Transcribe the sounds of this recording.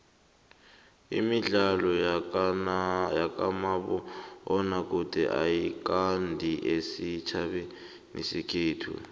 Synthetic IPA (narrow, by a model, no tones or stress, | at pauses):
imiɮalɔ | jak̬ʼamaɓɔɔnak̬ʼudʼʱɛ̰ʔa̰jik̬ʼandʱiʔesit͡ʃʰaɓɛ | nʔḛsikʰeːtʰṵ